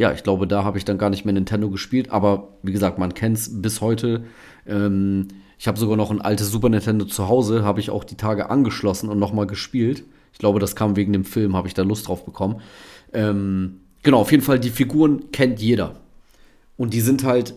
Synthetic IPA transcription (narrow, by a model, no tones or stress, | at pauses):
ja̰ːɪçɡ̥laʊbədaːɦaːbəɪçd̥anɡaːɐnɪçtmeːɐnɪntʰɛndoɡəʃpiːltʔa̰ːbɐviːɡəzaːk̚tmankʰɛntsbɪshɔʏtʰə | ʔɛːmʔɪçhaːbəzoɡaːɐnɔχnʔa̰ltəs̬z̥uːpɐnɪntʰɛndot͡suɦaʊzəɦaːbəɪça̰ʊxd̥iːtʰaːɡəʔa̰nɡəʃlɔsn̩ʊntnɔχmaːlɡəʃpiːlt | ɪçɡ̥laʊbədaskʰaːmveːɡŋ̩deːmfɪlmhaːbəɪçd̥aːlʊstd̥ʁaʊfb̥əkʰɔmənʔɛːm | ɡ̥ənaʊaʊjeːdn̩faldiːfiɡuːʁənkʰɛntjeːɾɐ | ʔʊnt̚d̥iːzɪnthalt